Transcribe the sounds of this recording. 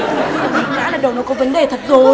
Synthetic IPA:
a˨˩i˨˩˦za̰ː˧˥ɗaː˨˩ɗə˨˩wnɔ˨˦kɔ˨˦və˨˦nɗe˨˩t̪ʰə˨˩t̚zo˧

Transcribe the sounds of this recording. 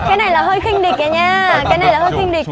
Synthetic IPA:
kaː˨˦jna˨˩jlaː˨˩həː˧jxï˧ŋ̟ɗi˨˩k̚ːaː˨˩ɲaː˧˨˩kaː˨˦jna˨˩jlaː˨˩hoː˧jxi˧ŋɗi˨˩k̚

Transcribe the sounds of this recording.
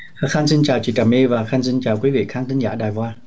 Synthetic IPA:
ha˨˧˩kxa˧nsi˧nt͡ɕaː˨˩wt͡ɕḭ˧˨t͡ɕaː˨˩mʔi˧vaː˨˩kxaː˧nsi˧nt͡ɕaː˨˩wkwi˨˦vḭ˧˨kʰaː˨˦t̪ʰi˨˦ŋza̰ː˧˩ɗaː˨˩jkwaː˧

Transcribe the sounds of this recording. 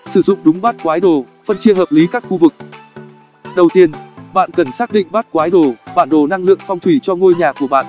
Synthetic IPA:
sɨ˧˩zʊ̰˧˨ŋ͡mɗʊ˨˦ŋ͡mɓaː˦˥t̚kwaː˨˦jɗo˨˩ | fə˧nt͡ɕi˧əɦəː˨˩p̚li˨˦kaː˦˥k̚xu˧vɨ˨˩k̚ | ɗə˨˩wt̪i˧ənɓa̰ː˧˨nkə˨˩nsaː˦˥k̚ɗḭ˧˨ŋ̟ɓaː˦˥t̚kwaː˨˦jɗo˨˩ɓaː˧˩nɗo˨˩na˧ŋlɨ̰˧˨əŋfɔ˧wŋ͡mt̪ʰwi˧˩t͡ɕɔ˧ŋo˧jɲaː˨˩ku˧˩əɓa̰ː˧˨nʔ

